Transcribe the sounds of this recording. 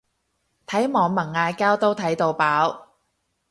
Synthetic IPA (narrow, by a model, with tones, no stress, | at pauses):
t̪ʰɐ˨˥jmɔː˨˧ŋmɐ˨˩ŋːaː˧jkaː˥wt̪o˥wt̪ʰɐ˨˥jt̪o˧wpaː˨˥w